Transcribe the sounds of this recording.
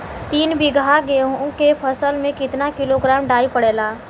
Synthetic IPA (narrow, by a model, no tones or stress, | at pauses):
t̪iːnbɪɡʱaɡeõkepʰəsəlmẽkɪt̪nakɪloɡɾaːmɖaːipəɽeːlaː